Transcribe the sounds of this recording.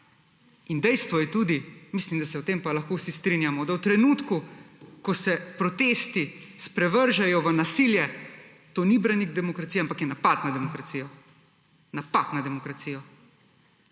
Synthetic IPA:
ind̪ɛjst̪ʋɔjɛt̪uːd̪imislimd̪asɛwt̪empalaxkoːwsist̪ɾinjamɔd̪awt̪ɾɛnut̪kukɔsɛpɾɔt̪eːst̪ispɾɛʋəɾʒajɔʋənasiljɛ | t̪oːnibɾaniɡ̚d̪ɛmɔkɾat̪sijɛampakjɛnapat̪nad̪ɛmɔkɾat̪siːjɔ | napat̪nad̪ɛmɔkɾat̪siːjɔ

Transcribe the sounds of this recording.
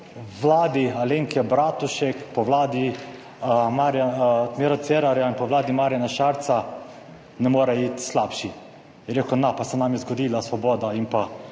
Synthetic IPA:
ʋlaːd̪ialeːŋkʰɛbɾaːt̪uʃɛkpɔʋlaːd̪i | maɾjat̪meɾat̪sɛɾaɾjainpɔʋlaːd̪imaːɾʲjanaʃaɾt̪sa | nɛmoːɾɛit̪slaːpʃi | jɛɾeːkɔnapasɛnamjɛzɡɔd̪iːlasʋɔboːd̪aimpa

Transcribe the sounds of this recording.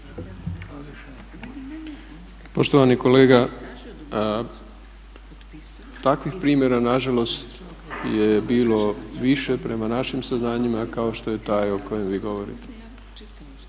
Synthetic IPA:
po̞ʃt̪oʋaniko̞leːɡa | t̪akʋixpɾiːmje̞ɾanaʒalo̞st̪ | je̞biːlo̞ʋiʃe̞pɾe̞manaʃimsaznaːɲimakao̞ʃt̪o̞je̞t̪aːjo̞ko̞je̞mʋiːɡo̞ʋo̞ɾḭt̪e̥

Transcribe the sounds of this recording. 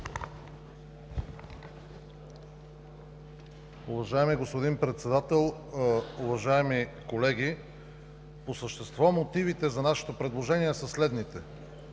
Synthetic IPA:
uvɐʒaɛmiɡospod̪inpɾɛt̪sɛd̪at̪ɛlˠʊvɐʒaɛmikolɛɡʲi | posəʃt̪ɛst̪vɔmot̪ivit̪ɛzɐnaʃɛ̥t̪opɾɛd̪lˠoʒɛniɛsəslɛd̪nit̪ɛ

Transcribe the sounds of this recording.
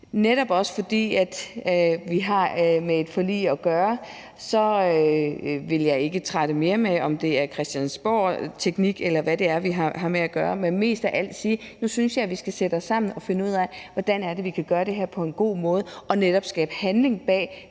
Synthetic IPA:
neɾ̥ɒ̽b̥ɒ̽sə̥fɒ̽d̥ḭːæd̥ʋiɦɑ̈mee̝d̥fɒ̽lḭːɒɡ̥ɶːɐ | sɒ̽ | ʋe̝ljɑ̈ɪe̝ɡ̥ət͡sʰʁaɾ̥əme̝ːɐmeɒ̽md̥e̝æɐkʰʁɛsd̥jænsb̥ɒ̰ːt͡sʰeɡ̥niɡ̥elɐʋæd̥e̝æɐʋiɦɦɑ̈meæɡ̥ɶːɐmenme̝̰ːsd̥æʔæl̰d̥siːnusynsjɑ̈ɪʋisɡ̥æsed̥əɒsːɑ̈m̰n̩ɒ̽fe̝nəuð̰ˠɛʋɒd̥ænæɐd̥e̝ʋikʰæɡ̥ɶːɐd̥e̝ɦæɐ̰pʰɒ̽e̝nɡ̥o̝̰ːmɔ̽ːðˠɒ̽neɾ̥ɒ̽b̥sɡ̥ɛːb̥əhænle̝ŋb̥ɛ̰ː

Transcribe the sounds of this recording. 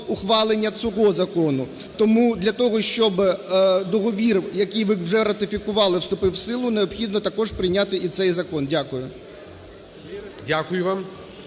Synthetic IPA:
ʊxʋɑlˠenʲːɐt͡sʲɔɦɔzɐkɔnʊ | t̪ɔmud̪lʲɐt̪ɔɦɔʃt͡ʃɔbd̪ɔɦɔʋʲirjɐkijʋɪwʒɛɾɐt̪ɪfʲikʊʋɑlˠɪwst̪ʊpɪwsɪlˠʊneɔbxʲid̪nɔt̪ɐkɔʐpɾɪjnʲat̪ɪʔit̪sɛjzɐkɔndʲakʊjʊ | dʲakʊjʊʋɑm

